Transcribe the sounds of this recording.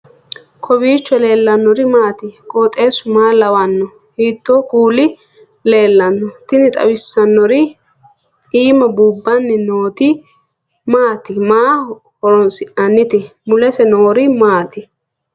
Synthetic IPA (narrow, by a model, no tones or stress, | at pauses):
kʰɔbiːt͡ʃːɔle̞ːlːɐnːɔɾɪmaːt̪ɪkʼoːt̪ʼe̞ːsʊmaːlɐwɐnːɔ | hiːt̪ːoːkuːlɪ | le̞ːlːɐnːɔt̪ɪnɪt̪ʼɐ̰wɪsːɐnːɔɾɪ | iːmɐbuːbːɐnːɪnoːt̪ɪ | maːt̪ɪmaː | hɔɾɔnsɪʔɐnːɪt̪ɪmʊlɛsɛnoːɾɪmaːt̪ɪ